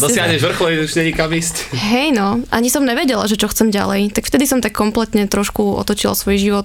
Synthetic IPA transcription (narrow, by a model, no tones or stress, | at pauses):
dɔssɪaɦɲɛʒʋr̩xlɔid̪ut͡ʃɲɛɲikabistɦɛjnɔʔa̰ɲisɔmɲɛʋɛɟɛlaʒɛt͡ʃɔxt͡sɛmɟa̰lɛjt̪akft̪ɛd̪isɔmt̪akːɔmplɛt̪ɲɛt̪ɾɔʃkuɔ̰t̪ɔt͡ʃila̰sʋɔjʒiʋɔt̪